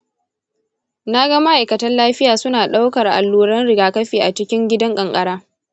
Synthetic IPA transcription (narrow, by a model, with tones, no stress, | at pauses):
na˦ɡɐ˦ma˦ʔa˨jkɐ˨tɐ˦nlaː˦ɸɪ˦jaː˨sʊ˦naː˨ɗa˦wkɐ˨rʔa̰˨lːuː˦ɽɐ˦nɽɪ˨ɡaː˨kɐ˦ɸiː˨ʔa˨t͡ʃɪ˦kʲɪ˦ŋɡʲɪ˦dɐ˦ŋkʼɐ˨ŋkʼɐ˦ɽaː˦